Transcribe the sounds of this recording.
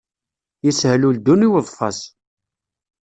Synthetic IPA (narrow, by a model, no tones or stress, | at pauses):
jəshluld̪ːuniwəðˤfɑ̰s